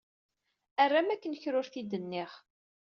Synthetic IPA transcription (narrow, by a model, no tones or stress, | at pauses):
ærːamækːənçɾʊɾθid̪ənːɪχ